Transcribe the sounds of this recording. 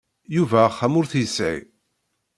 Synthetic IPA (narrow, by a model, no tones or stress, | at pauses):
juvæχːæmʊɾθjəsʕḭ